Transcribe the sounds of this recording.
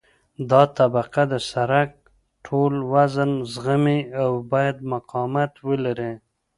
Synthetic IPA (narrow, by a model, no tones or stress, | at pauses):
d̪ɑt̪abaqad̪əsaɾak̚ | ʈʰolwazənzɣəmiawbɑjad̪̚maqɑmat̪wəlaɾe